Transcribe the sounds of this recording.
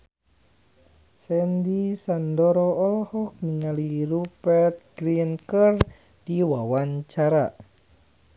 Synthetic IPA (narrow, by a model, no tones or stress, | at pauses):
sɛndisandɔɾɔɔlɔhɔk̚niŋaliɾupɛrt̪̚ɡɾinkər | d̥iwawaɲt͡ʃaɾa